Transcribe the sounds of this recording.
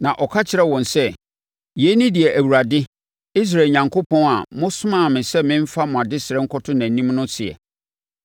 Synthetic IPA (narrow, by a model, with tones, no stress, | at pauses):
nã˨ʔɔ˨kʰa˦t͡ɕʰɪ˨ɾɛ˦wɔ̃˨nsɛ˦˨ | jɛ˨˦nĩ˦dɪ˨ɛ˨ʔæ˨wu˨ɾa˨dɪ˦ | i˦s̬ɾa˨e˨ɲã˨ŋkʰo˦pʰɔ̃˦na̰˨mʊ̃˦sʊ˦mã˦˨mɪ̃˨sɛ˦mɪ̃˦m̩˦fa˦mʊ̃˨a˨dɪ˦sɪ˨ɾɛ˦ŋ̩˦kʰɔ˦tʰʊ̃˦næ̃˨nĩ˦mnʊ̃˦sɪ˨ɛ̰˨